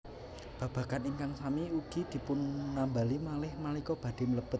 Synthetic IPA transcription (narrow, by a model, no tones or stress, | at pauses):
b̥ä̤b̥ä̤kaniŋkaŋsamiuɡ̥i̤d̪̥i̤pʊnːambalimalɪhmalikɔb̥ä̤d̥̪e̤mələb̥ət̪̚